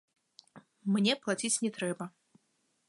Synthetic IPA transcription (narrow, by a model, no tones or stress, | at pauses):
mnʲɛplˠat͡sʲit͡sʲnʲɛt̪ɾɛbɐ